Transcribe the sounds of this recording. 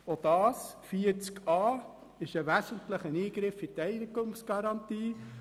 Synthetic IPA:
od̥̪ɑːs | fiːət͡skɑː | ɪʃəʋæsənt̪ləχəniːɡɾɪfitɛɪnɪɡʊŋsɡ̥ɑɾɑnt̪iː

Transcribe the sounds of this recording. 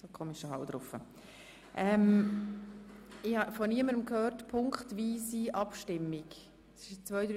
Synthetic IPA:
d̥okʰɔmɪʃɔhɑwd̥̪ɾʊfə̰ | ʔɛm | ɪhɑfɔniəməɾəmkʰhøːɾtpʰʊŋkχtʋiːsiʔɑpʃtɪmːɪk | ɪʃt͡sʋœʏdɾ

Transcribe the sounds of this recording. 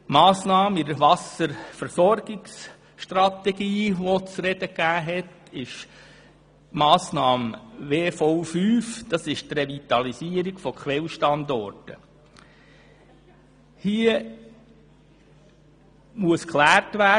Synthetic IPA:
mɑːsnɑːmidəʋɑsəɾfəɾsɔɾɡɪks | ʃtrɑt̪ɛɡiːʋot͡sɾɛd̥əkæːɦɛtɪʃ | mɑːsnɑːmʋeːfɔʊfyːfd̥ɑsɪʃt̪revit̪ɑliziːəɾiɡ̥fɔkχʋɛlʃtɑnd̪ɔ̰ɾtə | hiə | muəskʰlæːɾtvæ

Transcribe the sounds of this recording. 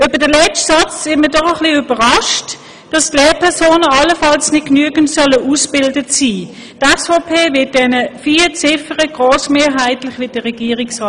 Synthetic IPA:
øbədəlɛt͡ʃtsɑt͡sɪməɐdɔχəχliybəʁɑʃt | d̥ɑstleːɐpʰɛɐsoːnəɑləfɑlsnɪt̚knyəɡəntsœləʔusb̥ɪldətsiː | tɛsfɔpʰeːvɪɐt̚d̥ɛnəfiːt͡sɪfəʁəɡ̥ʁoːsmeːɦæɪtlɪχvʋɪːtd̥əʁɛɡ̥iːəʁɪksɑː

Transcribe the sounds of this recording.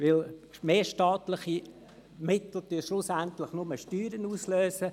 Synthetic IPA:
ʋɪlmeːʃtɑːt̪lɪχi | mɪt̪l̩tyːʃlʊsænt̪lɪχnʊməʃtyːɾənuːsløːsə

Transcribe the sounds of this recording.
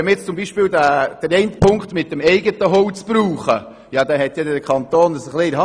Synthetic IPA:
ɛmɪt͡st͡sʊmbiːʃpɪːlwdæd̥əɾɛɪntpʰʊŋkχt̪mɪt̚dəmɛɪɡətəɦowt͡sb̥ɾuːχə | jɑd̪ɛɦɛt̪jɛdəkʰχɑnt̪oːnəsəχliɾhɑ

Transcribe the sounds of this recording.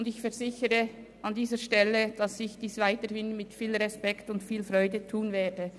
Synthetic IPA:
ndɪçfɛʁzɪçəɾə | ʔɑndiːzəʃtɛləd̥ɑsɪçd̥iːsvaɪtəɾhɪnmɪtfiːlʁɛspɛktʊndfiːlfʁɔʏdətʰuːnvɛːdə

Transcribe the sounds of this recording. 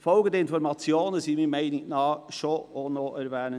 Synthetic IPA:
fɔlɡədəɪnfɔɾmɑt͡sjoːnəsimimæɪnɪnɑːʃoonoʔɛɾvɛːnə

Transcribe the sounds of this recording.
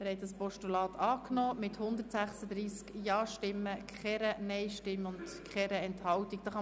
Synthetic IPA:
mɪɾhɛt̚dɑspɔʃtulɑːt̪ʰɑːknɔːmɪt̪hʊnd̪əɾtsæχsəd̪ɾiːskjɑːʃtɪmːəkχɛɾənɛɪʃtɪmːʊnd̥kχɛɾəɛnthɑwtik̚d̥ɑχɑ

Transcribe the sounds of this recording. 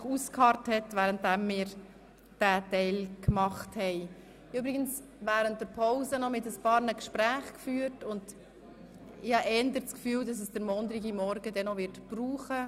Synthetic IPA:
χuskʰhɑɾthɛtvæːɾənt̚dæmːɪːɾ | d̥ætɛɪlkmɑχthɛɪ | ybɾɪɡəns | væːɾənt̚d̥əɾpʰɔʊzənɔmɪtəspɑːɾnəkʃpɾæːχkfyːɾtʊnd | ɪhɑʔɛndəɾt͡skfyːldɑsəsd̥əɾmɔnd̪ɾiɡimɔɾɡədɛnɔʋɪɾtb̥ruːχə

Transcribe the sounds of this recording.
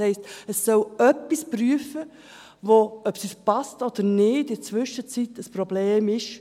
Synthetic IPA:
hɛɪstəsːœlœpːispryəfə | voœpsispɑstɔd̪̥əɾnɪːdɪt͡sʋʏʃət͡sitəspɾobleːmɪʃ

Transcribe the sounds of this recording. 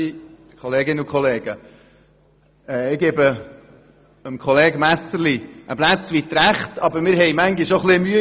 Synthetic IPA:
kʰχɔleːɡɪnəʊkʰχʰɔleːɡə | ɛːɪɡ̥eːbə | əmkʰɔleːɡmæsəɾliʔəb̥læt͡sʋit̪ɾæχtɑbəɾmɪːɾɦɛjmæŋɡiʃoχlimyə

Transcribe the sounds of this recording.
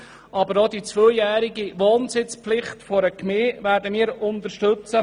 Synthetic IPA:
ʔɑbəɾɔd̪it͡sʋœjjæːɾiɡiʋoːnsɪt͡spflɪχtfɔɾəkmeːvæːɾdəmiːɾʊnt̪əɾʃtɵt͡sə

